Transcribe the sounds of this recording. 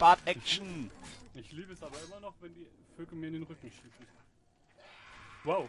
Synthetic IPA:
b̥aːtɛkʃn̩ɪçliːbəɛsʔaːbɐɪmɐnɔχvɛndiː | føkəmiːɐɪndeːnʁʏkŋ̩ʃiːsn̩ | waʊ

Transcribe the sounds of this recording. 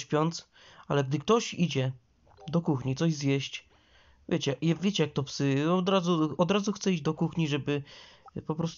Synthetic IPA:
ɕpʲjɔnt̪s | alɛɡ̚d̪ɘkt̪ɔɕid͡ʑɛ | d̪ɔkuxɲit̪sɔʑzjɛɕt͡ɕ | vʲjʔet͡ɕɛjɛvʲjet͡ɕɛjak̚t̪ɔpsɘɔd̪ɾazuɔd̪ɾazuxt̪sɛid͡ʑd̪ɔkuxɲiʐɛbɘpɔpɾɔst̪

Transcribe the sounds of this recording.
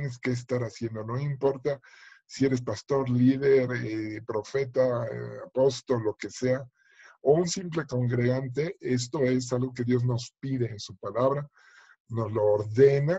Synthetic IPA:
neske̞ːs̬t̪aɾasje̞nd̪o̞no̞impo̞ɾt̪a | sie̞ɾe̞spast̪o̞ɾliðeɾepɾo̞fe̞t̪aapo̞st̪olːo̞ke̞se̞a | ounsimple̞ko̞ŋɡɾe̞ɣant̪e̞e̞s̬t̪o̞e̞s̬alɣo̞k̬e̞ðjo̞zno̞spiðe̞ːnsupalaβɾa | no̞zlo̞ːɾðe̞na

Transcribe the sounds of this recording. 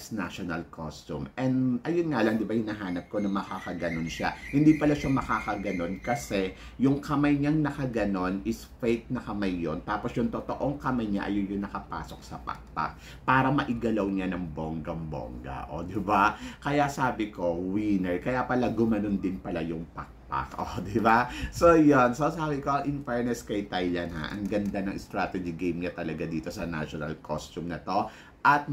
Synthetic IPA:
sna̰ʃonɐlkʰo̰st̪ṵmʔɛnd̪ʔɐjonŋaːlɐŋd̪ɪbajʊnɐɦaːnɐp̚ko̞nɐmɐkakɐɡɐnonʃahɪnd̪iːpɐlaʃamɐkakɐɡɐno̞nkɐsɛ | jʊŋkɐmajɲaŋnɐkɐɡɐno̞nɪsfɛjk̪̚nɐkɐmajːont̪aːposjʊŋt̪ot̪oʔo̞ŋkɐmajɲa̰ʔɐ̰jonjʊŋnɐkɐpa̰ːsok̚sɐpɐ̰k̚t̪a̰k̚ | paːɾɐmɐʔɪɡɐlɐwɲanɐŋboŋɡɐŋbo̰ŋɡɐ̰ʔo̰d̪ɪbakɐjasaːbɪko̞winɛɹkɐjapɐlaɡʊmɐnond̪ɪnpɐlajʊŋpak̚pa̰kʔod̪ɪbasojonsosaːbɪko̞ʔɐŋʔɪnfɛɹnɛskɐjt̪ajlɐnha̰ʔɐ̰ŋɡɐnd̪anɐŋʔɛst̪ɾaːt̪ɛd͡ʒɪɡejmɲat̪ɐlɐɡad̪iːt̪o̞sɐna̰ʃonɐ̰lkʰost̪umnɐt̪o̞ | ʔɐt̪̚

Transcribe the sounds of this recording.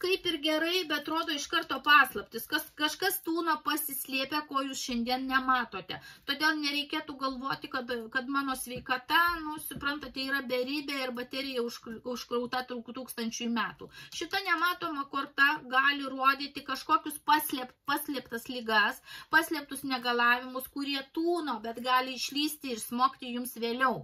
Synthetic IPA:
kɐɪpɪrɡʲɛɾɐɪbʲɛɐt̪ɾoːd̪oːɪʃkɐrt̪oːpɑːslˠɐpʲtʲɪskɐskɐʃkɐst̪uːnɐpɐsʲɪsʲlʲiːpʲɛkoːjuːsʃʲɛnʲd̪ʲiɛnnʲɛmɑːt̪oːt̪ʲɛt̪oːd̪ʲeːlˠnʲɛɾʲɛɪkʲeɛt̪uːɡɐlˠʋoːt̪ʲɪkɐt̪kɐt̪mɑːnoːsʲʋʲɛɪkɐt̪ɐnʊsʊpɾɐnt̪ɐt̪ʲɛiːɾɐbʲɛɾʲiːbʲɛɪrbɐt̪ʲæːɾʲɪjɛʊʃʊʃkɾɐʊt̪ɑt̪ɾukt̪uːkst̪ɐnʲt͡ʃʲʊjmʲæːt̪uːʃʲɪt̪ɐnʲɛmɑːt̪oːmɐkoːrt̪ɐɡɑːlʲɪruɔd̪ʲiːt̪ʲɪkɐʃkoːkʲʊspɑːsʲlʲɛpt̪pɑːsʲlʲɛpt̪ɐslʲɪɡɐspɑːsʲlʲɛpt̪ʊsnʲɛɡɐlˠɑːʋʲɪmʊskʊɾʲiɛt̪uːnoːbʲɛt̪ɡɑːlʲɪɪʃʲlʲiːsʲt̪ʲɪɪrsmoːkt̪ʲɪjʊmsʋʲeːlʲɛʊ

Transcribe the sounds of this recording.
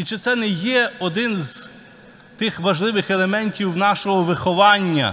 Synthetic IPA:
it͡ʃɪt̪sɛnɛjɛɔd̪ɪnz | t̪ɪxʋɐʒlˠɪʋɪxelˠemɛnʲtʲiwnɑʃɔɦɔʋɪxɔʋɑnʲːɐ̰

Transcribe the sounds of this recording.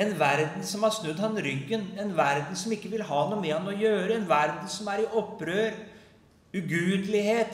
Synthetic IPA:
ɛnʋæɾd̪n̩sɔmhɑɾsnʉd̪hɑnɾʏɡːənɛnʋæɾd̪n̩sɔmɪkːəʋɪlɦɑːnuːmɛhɑnːəɔjøːɾəɛnʋæɾd̪n̩sɔmæɾɪʔɔpːɾøːɾ | ʉɡʉːd̪əlɪheːt̪

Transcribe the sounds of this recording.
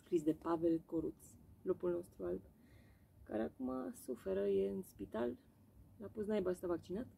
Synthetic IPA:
skɾis̬d̪e̞pavelkoɾut̪slopulno̞st̪ɾualt̪ | ka̰ɾeakumasufeɾəjeɨnspit̪al | lapusnajbast̪avak̚t͡ʃinat̪

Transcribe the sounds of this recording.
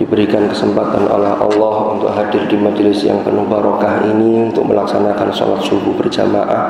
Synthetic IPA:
d̥ibəɾikankəsəmpat̪a̰nʔo̰lɛhʔɑ̰lːɔhunt̪ʊkɦadɪrdimad͡ʒlɪsja̰ŋpənubaɾɔkaɦiniunt̪ʊk̚mə̰laksanakanso̰lat̪̚sububərd͡ʒa̰maʔa

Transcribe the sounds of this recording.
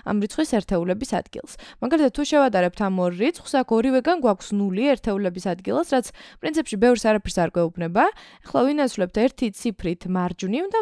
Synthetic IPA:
a̰mɾit̪sʰχwisɛɾt̪ʰɛulɛbisa̰d̪̥ɡḭlˠsmaɡalit̪ʰat̪t̪ʰːuʃɛvat̪ʼaɾɛp̚t̪ʰamɔɾːit̪sʰχwsakʰɔɾivɛɡanɡwakʰsnuliɛɾt̪ʰɛulɛbisad̪ɡilˠasɾat̪sʰpʼɾint̪ʰipʃibɛvɾsaɾapʰɛɾsaɾkʼwɛubnɛbaɛχlˠavinat̪sʰvlɛp̚t̪ʰɛɾt̪ʰit̪sʰipʰɾit̪ʰmaɾd͡ʒvnivd̪a

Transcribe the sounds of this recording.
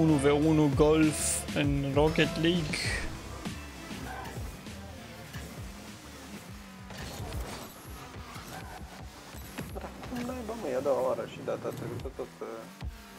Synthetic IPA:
unuveunuɡolfɨnroket̪liɡ | ɾakʰumnajbaməjad̪owaoaɾəʃid̪at̪at̪ɾebuisət̪ot̪ə

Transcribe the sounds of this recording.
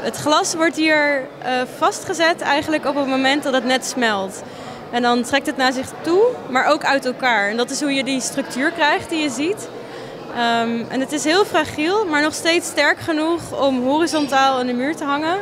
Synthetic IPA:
ətχlɑsʋɔɹtɦiːɹ | əvɑstχəzɛtɛ̰jχənləkɔpənmomɛntdɑtɦətnɛtsmɛlˠt | ɛndɑntrɛk̚tɦətnaːɹzɪχtumaːɹʔowkœɥtɛlˠkaːɹɛndɑtɪsɦujədistrɵk̚tyːɹkrɛjχt̚dijəzit | mʔɛ̰nətɪsɦɪːlˠfraχilˠmaːɹnɔχstejtstɛɹkχənuχɔmɦoːrizɔntaːlˠandəmyːɹtəɦɑŋə

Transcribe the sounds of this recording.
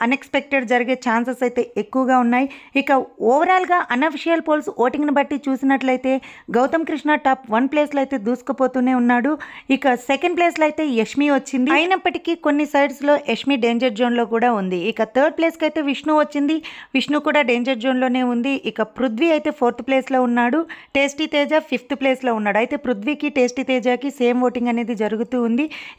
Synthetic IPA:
ɐnekspek̚ʈeɖd͡ʒɐɾɐɡeːt͡ʃaːnsɐsɐjt̪e̞ːekːuʋɐɡaːunːaːjiikɐɔːʋɐɾaːlɡaːʔɐnɐpʰiʂijɐlpoːlsoːʈiŋɡnibɐʈːit͡ʃuːsinɐʈlɐjt̪e̞ːɡɐwt̪ɐmkɾiʂɳaːʈaːpʋɐnpleːslɐjt̪e̞ːd̪uːsu̥kɐpo̞ːt̪uːne̞ːunːaːɽuikɐsekɐɳɖ̚ple̞ːslɐjt̪e̞ːekʂmiʋɐt͡ʃːind̪iɐjinɐpːɐʈi̥kiːko̞nːisɐjɖslo̞ːʔekʂmiːɖe̞ːɲd͡ʒɐɾd͡ʒoːnlo̞ːkuːɽaːund̪iːkɐt̪ʰɐːɾɖ̚ple̞ːskɐjt̪e̞ːʋiʂɳuːʋɐt͡ʃːind̪iʋiʂɳuːkuːɽaːɖe̞ːɲd͡ʒɐɾd͡ʒo̞ːnlo̞ːne̞ːund̪iʔikɐpɾud̪ʋiɐjt̪e̞ːpʰoːɾt̪ʰple̞ːslo̞ːunːaːɽuʈe̞ːsʈit̪eːd͡ʒaːpʰipʰt̪pleːslo̞ːunːaːɽuɐjt̪e̞ːpɾud̪ʋiːkiʈe̞ːsʈit̪ɛːd͡ʒaːkise̞ːmʋo̞ːʈiŋɡɐne̞ːd̪id͡ʒɐɾuɡut̪uːnd̪i

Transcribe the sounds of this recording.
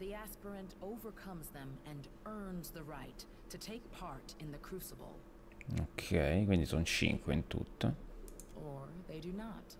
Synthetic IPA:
ðiæspə˞ɨ̃ntoʊvə˞kʰʌ̃mzðɨ̃mɨ̃n | ɜ̃˞nzðɨɹaɪtʰː | ɨtʰeɪk̚pʰɑɹɾɨ̃nðɨkʰɹ̥ʉsəb̰l̩ˠ | okʰːɛjkwind̪isɔnt͡ʃḭŋkweint̪ṵt̪ʰːa | ə˞ðeɪdɨnət

